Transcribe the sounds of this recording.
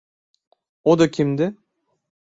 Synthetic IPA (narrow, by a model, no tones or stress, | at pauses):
od̪ɔkʰʲimd̪ɪ